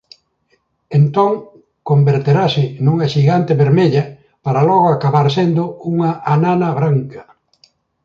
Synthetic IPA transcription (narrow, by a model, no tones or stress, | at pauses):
ent̪oŋ | kombeɾt̪eɾasɪnuŋɐʃiɣant̪eβeɾmeʎɐ | paɾalɔɣ̞oakaβaɾsend̪ʊuŋaʔananɐβɾaŋkɐ